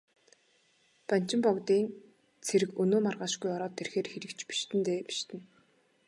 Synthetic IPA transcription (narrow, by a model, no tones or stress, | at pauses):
pan̥t͡ɕɪ̆mpɔkt̪iːŋ | t͡sʰeɾɘ̆kɵnoːmarʁaːʃɡujɔɾɔːt̪ʰːerxeːrxeɾɘ̆kt͡ɕpi̥ʃt̪ʰɘ̆nt̪eːpi̥ʃt̪ɘ̆n